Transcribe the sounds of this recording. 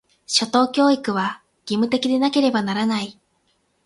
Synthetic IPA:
ɕo̞t̪o̞ːkʲo̞ːikɯ̟β̞a | ɡ̥ʲimɯ̟t̪e̞kʲid̪e̞nake̞ɾe̞banaɾanai

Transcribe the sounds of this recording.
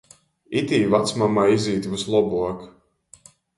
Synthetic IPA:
it̪ʲiːvat̪smamaːiziːt̪vuslˠɔbuɔk

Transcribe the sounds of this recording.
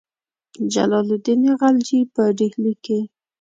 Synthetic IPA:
d͡ʒa̰lɑlʊd̪ineɣald͡ʒipəɖihlike

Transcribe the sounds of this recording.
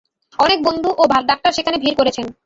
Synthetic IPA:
ɔnek̚bond̪ʱuʔobʱalɖak̚ʈaɾʃekʰanebʱiɾkoɾet͡ɕʰen

